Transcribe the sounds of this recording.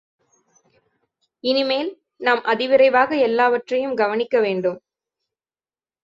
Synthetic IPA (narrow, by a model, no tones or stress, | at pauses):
ɪnɪmeːl | naːmʔɐðɪʋɪɾɐɪʋaːɣɐɛlːaːʋɐʈrɐjɯmɡɐʋɐnɪkːɐʋeːɳɖɯm